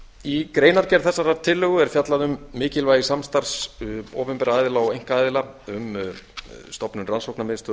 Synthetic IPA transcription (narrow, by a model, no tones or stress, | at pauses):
ikɾeːjnaɾcɛɾ̥θɛsːaɾat̪ʰɪlːʏɣʏɛɾ̥fjat̪laðʏmːɪːcɪlvaːjɪsamst̪aɾ̥soːpɛmpɛɾaaːjðɪlaɔejŋ̥kaaːjðɪlaʏm | st̪ɔpnʏnransowknamɪnst̪ʏ